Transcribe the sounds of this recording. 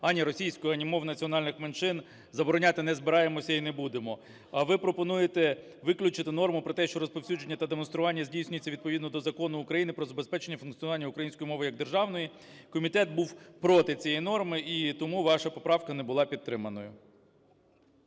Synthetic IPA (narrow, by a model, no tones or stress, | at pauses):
ɐnʲiɾɔsʲijsʲkʊjʊɐnʲimɔwnɐt͡sʲiɔnɑlʲnɪxment͡ʃɪn | zɐbɔɾɔnʲɑt̪ɪnɛzbɪɾɑjemɔsʲɐinebud̪emɔ | ɐʋɪpɾɔpɔnujet̪ɛ | ʋɪklʲʊt͡ʃɪt̪ɪnɔrmʊpɾɔt̪ɛʃt͡ʃɔɾɔspɔwsʲudd͡ʒenʲːɐt̪ɐd̪emɔn̪st̪ɾʊʋɑnʲːɐzʲdʲijsʲnʲʊjt͡sʲːɐʋʲid̪̚pɔʋid̪nɔd̪ɔzɐkɔnʊːkɾɐjinɪpɾɔzɐbespɛt͡ʃenʲːɐfʊnktt͡sʲiɔnʋɑnʲːɐʊkɾɐjinʲsʲkɔjimɔʋɪjɐɡ̚d̪erʒɑwnɔji | kɔmʲit̪ɛt̪̚buwpɾɔt̪ɪt͡sʲijinɔrmɪʔit̪ɔmuʋɑʃɐpɔpɾɑwkɐnɛbʊlˠɑpʲid̪̚ɾɪmɐnɔjʊ